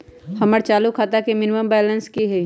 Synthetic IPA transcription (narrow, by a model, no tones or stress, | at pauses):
hɐməɾt͡ʃaːlukʰaːt̪akemɪnɪməmbɛːlə̃nskiɦɛ